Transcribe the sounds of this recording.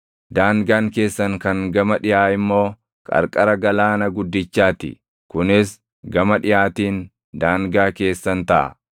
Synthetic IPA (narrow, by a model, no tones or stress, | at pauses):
d̪aːŋɡaːŋke̞ːsːɐŋkɐŋɡɐmɐᶑɪjaːɪmːo̞ː | kʼɐ̰ɾkʼɐɾɐɡɐlaːnɐɡʊd̪ːɪt͡ʃːaːt̪ɪ̰ | kʊnɪs | ɡɐmɐᶑɪjaːt̪iːn | d̪aːŋɡaːke̞ːsːɐnt̪ɐʔɐ̰